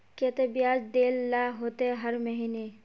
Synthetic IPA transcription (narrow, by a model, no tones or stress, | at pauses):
ket̪ebijaːd͡ʒd̪eːlːaɦoːt̪eɛɦɐɾməɦiːne